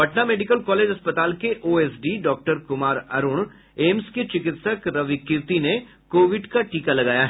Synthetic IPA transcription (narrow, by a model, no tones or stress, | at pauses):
bʱɐʈnameːɖɪkəlkɔːleːd͡ʒɦɐspət̪aːlkeʔoːeːsɖiɖɔːk̚ʈəɾkʊmaːɾɐ̰ɾʊɳ | eːmsket͡ʃɪkɪt̪səkɾɐʋikɪɾt̪ine | koːʋɪɖkaʈiːkalɐɡaːjaɦɛ